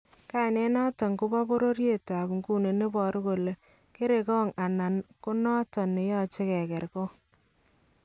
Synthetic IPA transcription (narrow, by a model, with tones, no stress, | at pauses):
ka˦˨ne˦nɔ˦tɔ˨ŋko˦ba˦bo˦ɾo˦ɾje˦˨ta˨bŋku˦ne˨ne˦bɔ˨ɾko˨le˨ | ke˦ɾe˨kɔ˦ŋa˨na˨nko˦nɔ˦tɔ˨ne˨jɔ˦t͡ʃe˦kɛ˨kɛ˨ɾko˦